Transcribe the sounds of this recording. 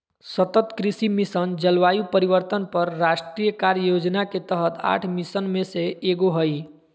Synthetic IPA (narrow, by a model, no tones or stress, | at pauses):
sət̪ət̪kɾisimisənd͡ʒəlʋajupəɾiʋəɾt̪ənpəɾːasʈɾijəkaɾjəjod͡ʒnaket̪əɦət̪ʰa̰ʈʰmisənmẽseeɡoɦəj